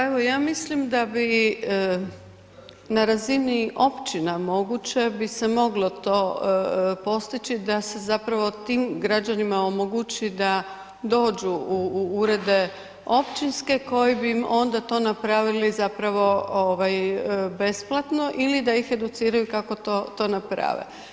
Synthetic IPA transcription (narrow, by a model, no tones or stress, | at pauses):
aeʋo̞jaːmislimd̪abi | naɾaziniʔo̞pt͡ɕinamo̞ɡut͡ɕe̞bisemo̞ɡlo̞t̪o̞ː | po̞st̪it͡ʃid̪ase̞zapɾaʋo̞t̪iːmɡɾad͡ʒanimaomo̞ɡut͡ɕid̪a | d̪o̞ːd͡ʒuuuɾe̞d̪e̞ | o̞pt͡ʃinske̞ko̞jibiːmo̞nd̪at̪o̞ːnapɾaʋilizapɾaʋo̞oʋajbe̞splˠat̪no̞ʔilid̪aixe̞d̪ut̪siːɾajukako̞t̪oːt̪o̞ːnapɾa̰ʋḛ